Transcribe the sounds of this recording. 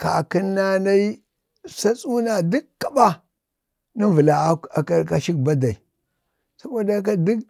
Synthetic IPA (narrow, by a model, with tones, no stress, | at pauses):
ka˨ki˦nːa˦na˦i˦ | sa˦t͡sʼu˦na˨du˦kkːa˨ɓa˦ | ni˦və˨la˨˦a˨ka˦ka˦ʃi˦k̚ba˦da˨i˨ | sa˦ka˦da˦k̬a˦du˦k̚